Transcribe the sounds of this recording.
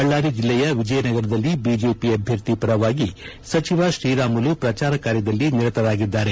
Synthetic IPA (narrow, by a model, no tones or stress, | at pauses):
ɐɭːaːɾid͡ʒilːɛjɐʋid͡ʒɐjɐnɐɡɐɾɐd̪ɐlːibid͡ʒeːpiɐbʱjɐɾt̪ipɐɾɐʋaːɡi | sɐt͡ʃiʋaʃɾiːɾaːmulupɾɐt͡ʃaːɾɐkaːɾjɐd̪ɐlːiniɾɐt̪ɐɾaːɡid̪ːaːɾe̞